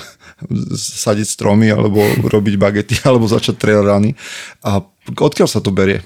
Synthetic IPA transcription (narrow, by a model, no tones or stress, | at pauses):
saɟicst̪ɾɔmia̰lɛ̰bɔ̰ɾʔɔbiɟbaɡɛt̪ialɛbɔza̰t͡ʃac̚t̪ɾɛaɾania | ɔt̪̚kɪalsat̪ɔbɛɾɪɛ̰